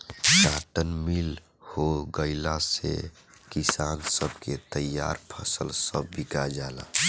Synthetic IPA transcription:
t͡ʃaːʈənmil | hoɡəɪlasḛ | kisaːnsəbʱket̪əja̰ːɾpʰəsəlsəbːikad͡ʒaːla̰

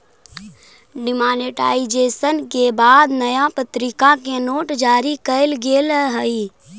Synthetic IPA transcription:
ɖɪmaːneʈa̰ːɪd͡ʒeːsənkebaːd̪nəjapət̪ɾɪkakenoːʈd͡ʒaːɾikəɪlɡeːlɦəi

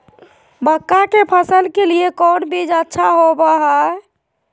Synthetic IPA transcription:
bəkːakepʰəsəlkeliekɔnbʱid͡ʒətːʃʰaɦobaɦəe

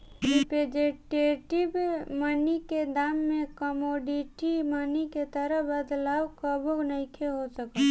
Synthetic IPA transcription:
ɾiped͡ʒeʈeʈɪbmaniked̪aːmːẽkəmoːɖiʈimaːniket̪əɾəbəd̪laːwkəboɡnəikʰeɦosəka

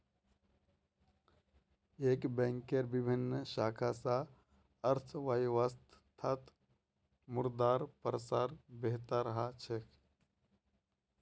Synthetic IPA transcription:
eːkbɛ̃ːŋkeɾbɪbʱinːʃaːkʰasa | əɾt̪ʰʋajʋast̪ʰt̪ʰːat̪ | mʊɾd̪aːɾpəɾəsaːɾbeɦt̪aɾəɦat͡ʃʰek

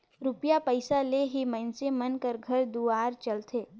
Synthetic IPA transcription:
ɾʊpjapəɪsaleɦimə̃nsemənkəɾɡʱɐɾd̪uaːɾt͡ʃəlt̪ʰeː

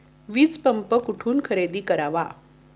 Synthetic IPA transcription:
ʋid͡zpəmpəkuʈʰuːnkʰəɾed̪iːkəɾaʋa

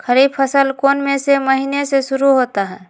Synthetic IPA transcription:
kʰɐɾiːbfʰəsəlkoːnmẽsemɐɦiːneseʃʊɾuɦoːt̪aɦɛː

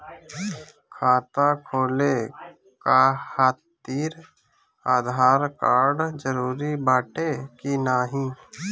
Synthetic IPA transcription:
kʰaːt̪akʰoːle | kahaːt̪ːiːɾ | aːd̪ʱaːɾkaːɾɖd͡ʒəɾuːɾibaːʈekinaːɦĩː

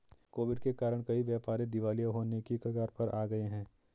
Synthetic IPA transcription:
koːʋɪɖkekaːɾəɽ̃kɐiʋjɛːpaːɾẽd̪ɪʋaːlijaɦoːnekikɐɡaːɾpɐɾʔaːɡɐeɦɛ̃ː

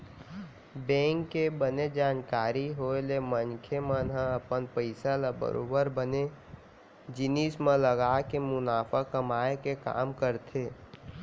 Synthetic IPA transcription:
bɛ̃ːŋkːebəned͡ʒaːnkaːɾiɦoelemənkʰemənɦãəpənpəɪsalabə̰ɾo̰ːbəɾbəne | d͡ʒɪnismẽləɡaːkemʊnaːfʰakəmaːekeka̰ːmkəɾt̪ʰeː

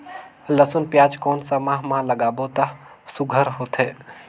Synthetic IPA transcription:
ləsʊnpjaːd͡ʒkɔːnsamãɦmãləɡaːbot̪a | sʊɡʱəɾɦoːt̪ʰɦeː

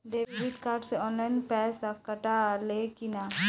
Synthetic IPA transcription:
ɖeːʋibiʈkaːɾɖseɔːnlaɪnpɛːsakɐʈalekɪna

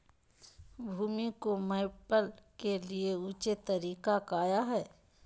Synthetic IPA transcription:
bʱuːmikoməɪpəlkelieuːt͡ʃet̪ɐɾiːkakaːjaɦɛː

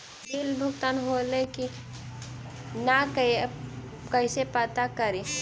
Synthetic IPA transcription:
dilbʱʊkt̪anɦoleki | nak | kəisepət̪akəɾi

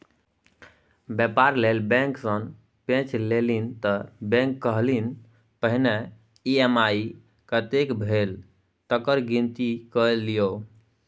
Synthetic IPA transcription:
bjɛpaɾlelbẽŋksən | pẽt͡ʃlelint̪əbẽŋkːəɦlin | pəɦine | iemai | kət̪ekbʱel | t̪əkəɾɡint̪ikəlijo

